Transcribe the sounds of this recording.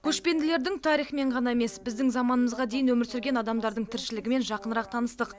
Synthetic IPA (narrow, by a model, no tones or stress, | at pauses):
kʲʰɵʃpe̞nd̪ɪle̞ɾd̪ɪŋt̪ʰɑɾijχme̞ɴʁɑnɑeme̞sbɪzd̪ɪŋzɑmɑnəməzʁɑd̪ejɪnwɵmɪɾsʏɾɡʲe̞nɑd̪ɑmd̪ɑɾd̪əɴt̪ʰɪɾʃɪlɪɡʲɪme̞nʒɑqənəɾɑq̚t̪ʰɑnəst̪əq